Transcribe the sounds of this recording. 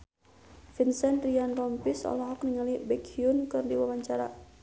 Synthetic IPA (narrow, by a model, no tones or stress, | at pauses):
finsɛnt̪ɾianrɔmpisɔ̰lɔɦɔk̚niŋalibɛkhiunkɨrdiwawaɲt͡ʃaɾa̰